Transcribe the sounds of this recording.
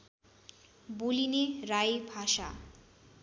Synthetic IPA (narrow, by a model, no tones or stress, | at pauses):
bulineɾajbʱaʃa̰